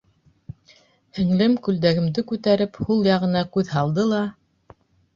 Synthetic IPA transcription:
hɘ̆ŋlɘmkʉld̪æɡɘ̆md̪ɘkʉt̪æɾɘphulˠjɑʁɤ̆nɑkʉðɦɑlˠd̪ɤlˠɑ

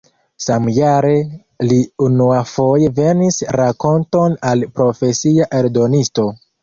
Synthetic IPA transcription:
samjaɾe̞ | liunuafo̞je̞ve̞nisɾako̞nto̞nalpɾo̞fe̞siaʔe̞ɾdo̞nisto̞

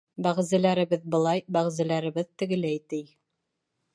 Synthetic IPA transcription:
bæʁzɘ̆læɾɘ̆βɘðbɤ̆lˠɑjbæʁzɘ̆læɾɘ̆βɘðt̪ɘ̆ɡɘ̆læjt̪ɘj

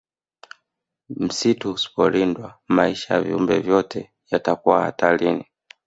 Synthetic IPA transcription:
m̩situsi̥pɔlindwamaiʃajavḭṵmbɛ̰vjɔtʰɛ | jatakuwaha̰talini

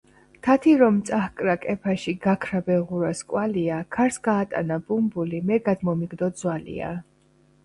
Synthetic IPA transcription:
t̪ʰat̪ʰiɾɔmt̪sʼahkʼɾakʼɛpʰaʃiɡakʰɾabɛʁuɾaskʼwaliakʰaɾsɡaːt̪ʼa̰nabumbulimɛɡad̪mɔmiɡd̪ɔd̪zwalḭa̰

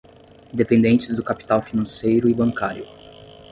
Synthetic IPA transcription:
ĩd̪epẽnd̪ẽnt͡ʃɪzd̪ʊkapi̥t̪awfinɐ̃sejɾʊɪbɐ̃ŋkaɾjʊ

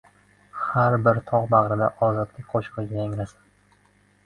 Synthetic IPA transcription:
haɾbɪɾt̪ʰɒʁbaʁɾɪd̪aʔɒzɒd̪lɪk̚ʲqʰoʃɨ̥qɨɡʲajaŋɾasɪ̥n

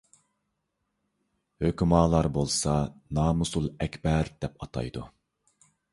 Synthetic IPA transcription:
høkʲymɑːlˠɑɾbolˠsɑnɑːmusulˠɛkʲbɛɾd̪̥ɛp̚ɑt̪ʰɑ̰jd̪u

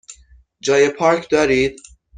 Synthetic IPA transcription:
d͡ʒɒːjepʰɒːɾkʰd̪ɒːɾiːd̪̥̚

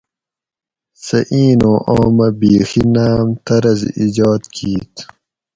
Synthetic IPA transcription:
sɐʔiːnõːʔaːmɐbiːxinaːmt̪ɐɾɐziːd͡ʑaːd̪kiːt̪

